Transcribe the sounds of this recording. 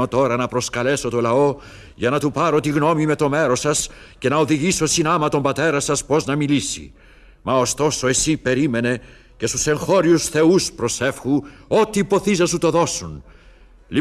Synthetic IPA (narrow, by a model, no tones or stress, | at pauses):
o̞t̪o̞ɾɐnɐpɾo̞skɐle̞so̞t̪o̞lɐo̞ | ʝɐnɐt̪upɐɾo̞t̪iɣno̞mime̞t̪o̞me̞ɾo̞sɐsce̞nɐoðiʝiso̞sinɐmɐt̪o̞mbɐt̪e̞ɾɐsɐspo̞znɐmilisḭ | mɐo̞st̪o̞so̞e̞sipe̞ɾime̞ne̞ | ce̞st̪u̥se̞ŋxo̞ɾiusθe̞uspɾo̞se̞fxuo̞t̪iːpo̞θizɐsut̪o̞ðo̞sun | li